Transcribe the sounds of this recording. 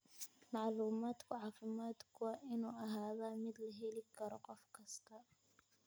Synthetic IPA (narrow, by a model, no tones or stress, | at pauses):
mɑʕluːmaːd̪kʰʊʕɑːfɪmaːd̪kʰʊwɑːʔɪnuːɐɦaːðaːmɪd̪lɐɦɛlɪkʰɐɾɔqɔfkʰɐst̪ʰɐ